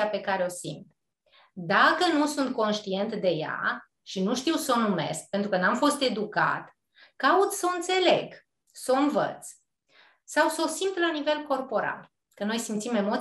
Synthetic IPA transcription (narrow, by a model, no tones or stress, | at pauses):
ape̞kaɾeo̞sḭmt̪ | d̪akənusunt̪̚ko̞nʃt̪ie̞nt̪d̪e̞ja̰ | ʃinuʃt̪iwsəonume̞̰sk̚pe̞nt̪ɾukənamfo̞st̪e̞d̪uka̰t̪ | kaut̪səoɨnt̪se̞le̞̰ɡ | səonvə̰t̪s | sawsəo̞simt̪lanive̞lko̞rpo̞ɾa̰l | kəno̞jsimt̪sime̞mo